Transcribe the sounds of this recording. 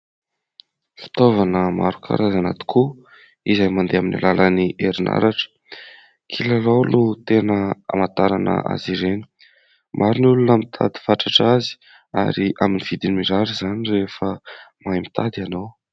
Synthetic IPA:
fi̥t̪ovanəma̰ɾukʰa̰ɾazanat̪i̥kʰu | izajmand̪eaminḭlalʔəniʔeɾinʔa̰ɾaʈ͡ʂə̥ | kʰilalowlut̪enəa̰mat̪aɾanə̰a̰ziɾeni̥ | mʔaɾinulunəmit̪ʰa̰d̪i̥faʈ͡ʂaʈ͡ʂazi̥ | a̰ɾiʔaminiv̥id̪inimiɾaɾizanirefəmajmit̪ʰad̪ianow

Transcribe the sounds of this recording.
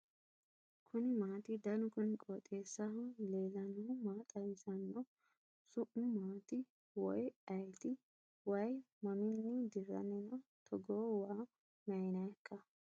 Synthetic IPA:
kʰʊnɪmaːt̪ɪd̪ɐnʊkʊnɪkʼoːt̪ʼeːsːɐɦɐle̞ːlɐnɔmaːt̪ʼɐjɪsɐnːɔ | sʊʔʊmaːt̪ɪ | wɔjɐjt̪ɪ | wɐj | mɐmɪnːɪd̪ɪrɐ̰nɛnɐt̪ʰɔɡoːwaː | mɐjɪnɐjɐkːɐ

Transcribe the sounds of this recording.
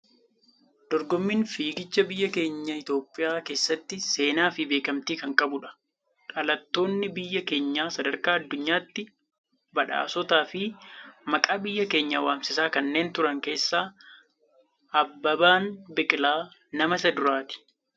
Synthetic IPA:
d̪̥ɔɾɡɔmːɪnfiːɡɪt͡ʃːɐbɪjːɐke̞ːɲːɐɪt̪o̞ːpʼːɪjaːke̞ːsːɐt̪ːɪse̞ːnaːfɪbe̞ːkɐmt̪iːkɐŋkʼɐbʊᶑɐ̥ | ᶑɐlɐt̪ːo̞ːnːɪbɪjːɐke̞ːɲːaːsɐd̪ɐɾkaːɐd̪ːʊɲːaːt̪ːɪ | bɐᶑa̰ːsɔt̪aːfɪmɐkʼaːbɪjːɐke̞ːɲːɐwaːmsɪsaːkɐnːe̞ːnt̪ʊɾɐŋke̞ːsːaː | ɐbːɐbaːnbɪkʼɪlaːnɐmɐsɐd̪ʊɾaːt̪ɪ̥

